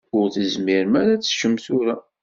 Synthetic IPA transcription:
ɡʊlθəzmiɾmæɾæt͡sːʃəmθuɾæ

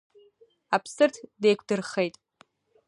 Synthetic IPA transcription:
apʰsɨrtʰdejkʷʰdɨrχejtʼ

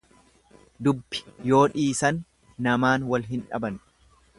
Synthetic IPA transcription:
d̪ʊbːɪ̥jo̞ːᶑiːsɐnː | ɐmaːnwɐlɦɪnᶑɐ̰bɐn

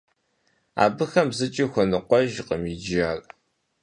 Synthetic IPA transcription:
a̰ːbɨxɐmzɨt͡ʃʼixʷɔnɨqʷɔʒqəmid͡ʒiaːrʼ

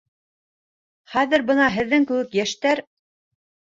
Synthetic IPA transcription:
χæðɘ̆ɾbɤnɑɦɘ̆ðːɘŋkʉ̆wɘkjæʃt̪æɾ

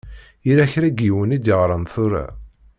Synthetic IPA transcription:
iɾæçɾæɡiwənid̪əʁɾˤənθʊɾæ̰

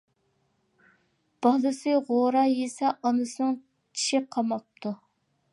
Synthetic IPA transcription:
b̥ɑlˠɨsɨʁoɾɑjesɛʔɑnɨsɨnɨŋ | t͡ʃʰi̥ʃɪqʰɑmɑp̚t̪ʰu

